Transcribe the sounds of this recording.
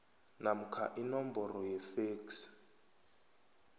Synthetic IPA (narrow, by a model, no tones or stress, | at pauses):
nam̩kʰa̰ʔinɔm̩bɔrɔjɛfeːks